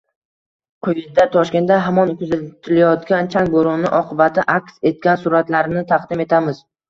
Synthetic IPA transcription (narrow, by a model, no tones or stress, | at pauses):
qʰʊjɪzd̪at̪ʰɒʃkʲe̞nt̪ːaɦamɒnkʰʲɵzat̪ʰɪlajɒt̪kʲant͡ʃʰaŋboɾɒnːɪʔɒqʰɨbat̪ʰɪʔakʲse̞t̪̚kʲansʊɾat̪laɾnɪt̪ʰaqd̪ɪme̞t̪ʰamɪz̥